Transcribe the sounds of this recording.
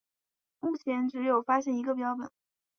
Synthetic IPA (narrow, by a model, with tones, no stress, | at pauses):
mu˥˩t͡ɕʰjɛ˧˥nʈ͡ʂɻ̩˧˥jo˨˩ʊfa˥ɕjɛ˥˩ni˧˥ɡə˧p̬jɑ˥ʊʈ͡ʂwə̰˨˩˦